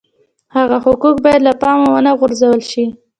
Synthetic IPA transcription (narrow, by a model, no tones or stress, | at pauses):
haɣahʊkukbɑjad̪lapɑmowənaɣʊɾzawəlʃi